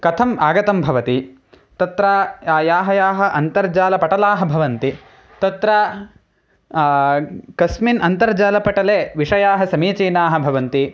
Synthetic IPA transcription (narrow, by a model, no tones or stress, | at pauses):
kɐt̪ʰɐmaːɡɐt̪ɐmbʱɐʋɐt̪i | t̪ɐt̪ɾaaːjaːɦɐjaːɦɐ̆ʔɐnt̪ɐɾd͡ʒaːlɐpɐʈɐlaːɦɐ̆bʱɐʋɐnt̪i | t̪ɐt̪ɾɐ | kɐsminʔɐnt̪ɐɾd͡ʒaːlɐpɐʈɐleːʋiʂɐjaːɦɐsɐmiːt͡ʃeːnaːɦɐ̆bʱɐʋɐnt̪i